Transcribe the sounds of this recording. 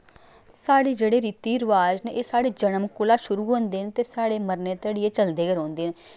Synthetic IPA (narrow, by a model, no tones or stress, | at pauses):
saːɽiːd͡ʒeːɽeːɾiːt̪iːɾʋaːd͡ʒneːʔeːsaːɽeːd͡ʒənəmkʊlaːʃʊɾuːɦõːnd̪eːnt̪eːsaːɽeːməɾneːt̪əːɽieːt͡ʃəld̪eːɡəɾõːnd̪eːne